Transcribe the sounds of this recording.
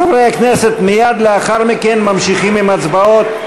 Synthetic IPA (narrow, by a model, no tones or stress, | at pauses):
avejaknese̞t̪mijad̪leaχaʁmikenmamʃiχimimat͡sbao̞t̪